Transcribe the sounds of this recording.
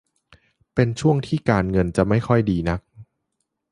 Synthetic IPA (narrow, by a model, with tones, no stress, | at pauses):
pe˧nt͡ɕʰu˥˩əŋt̪ʰiː˥˩kaː˧nŋɤ˧nt͡ɕa˨˩ʔma˥˩jkʰɔ˥˩jdiː˧na˦˥k̚